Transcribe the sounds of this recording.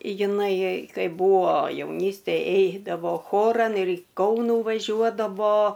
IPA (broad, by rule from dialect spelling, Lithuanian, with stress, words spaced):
jɪˈnɐɪ ˈkɐɪp ˈbuɔ jɛʊˈnʲiːsʲtʲeːj ˈɛɪdɐʋoː ˈxoːrɐn ɪr iː ˈkɐʊnuː ʋɐˈʒʲuɔdɐʋoː